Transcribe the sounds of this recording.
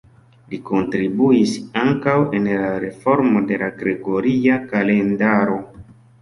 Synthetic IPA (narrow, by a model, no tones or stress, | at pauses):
liko̞ntɾibuisaŋkawe̞nlaɾe̞fo̞ɾmo̞de̞laɡɾe̞ɡo̞ɾiakale̞ndaɾo̞